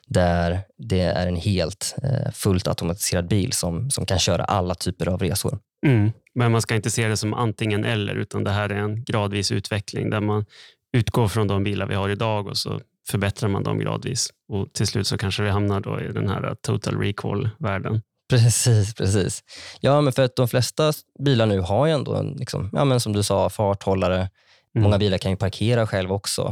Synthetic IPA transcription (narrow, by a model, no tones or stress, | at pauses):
d̪æɾd̪ɛæ̰ɾɛnheːlt̪fɵlt̪ʰa̰t̪ʊmat̪ɪ̥seːɾad̪̚biːlsɔmsɔmkʰanɕœːɾa̰ʔalːat̪ʰyːpəɾavɾeːsʊ̰ɾ | m̩ | mɛnmanskaɪnt̪əseːd̪ɛsɔmʔa̰nt̪ɪŋːənʔɛlːə̰ɾʉ̟ːt̪ʰand̪ɛɦæːɾæɾɛnɡɾɑːd̪viːsʉ̟̰ːt̪vɛkʰlɪ̰ŋd̪æɾman | ʉ̟ːt̪ɡoːɾfɾɔnd̪ɔmbiːlaɾvɪ̰haɾɪd̪ɑːɡɔ̰sɔ̰ | fœɾbɛt̪ɾaɾma̰nd̪ɔ̰mɡɾɑ̰ːd̪viːs | ɔt̪ʰɪlslʉ̟ːt̪sɔkʰanʂəvɪɦamnaɖo̰ɪd̪ɛ̰nhæ̰ːɾa̰t̪ʰut̪ʰalɾiːkʰɔlvæːɖən | pʰɾɛsiːspʰɾɛsiːsjɑːmɛnfœɾat̪̚d̪ɔmflɛst̪abiːlaɳʉ̟ːɦaɾjɛnd̪o̰ːɛ̰nlɪksɔ̰mjʔɑ̰ːmɛnsɔmd̪ɵsɑːfɑːʈhɔlːaɾə | mɔŋːabiːlaɾkʰanjɵpʰaɾkʰeːɾaɧɛlvaɔksɔ̰